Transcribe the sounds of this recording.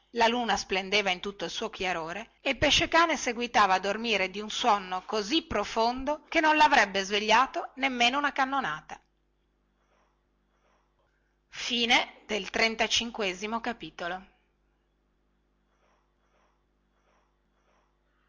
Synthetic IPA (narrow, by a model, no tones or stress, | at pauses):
laluːnasplend̪eːvaint̪ut̪ːoilsuːokjaɾoːɾe | eilpeʃːekaːneseɡwit̪aːvaːd̪ːormiːɾed̪iunswɔnːokozipːɾofond̪ok̟enːonlavɾɛbːezveʎːaːt̪onemːeːnounakanːonaːt̪a | fiːned̪̥elt̪ɾent̪at͡ʃiŋkweːzimokapiːt̪olo